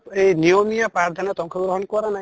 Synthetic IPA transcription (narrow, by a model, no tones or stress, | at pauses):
enijɔmijapɾaɾd̪ʱanat̪ɔŋkʰɔɡɾɔɦɔnkɔɾana